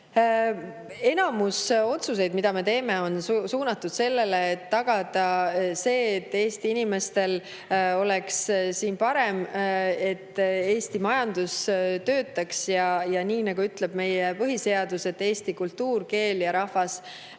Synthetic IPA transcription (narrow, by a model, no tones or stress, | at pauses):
e̞nɑmuso̞t̪sus̬e̞jd̪̥mid̪̥ɑme̞t̪e̞ːme̞o̞nsuːnɑt̪ːud̪̥se̞lːe̞le̞ːt̪ːɑɡ̥ɑd̪̥ɑse̞ːt̪ːe̞ːst̪iinime̞st̪e̞l | o̞lekssiːnpɑɾe̞me̞t̪ːˑeːst̪imɑjɑnd̪̥ust̪ø̞ːt̪ˑːɑksjɑjɑniːnɑɡ̥uyt̪le̞b̥me̞jepɤɦise̞ɑd̪use̞t̪ːe̞ːst̪ikult̪ːuːrke̞ːljɑɾɑhvɑs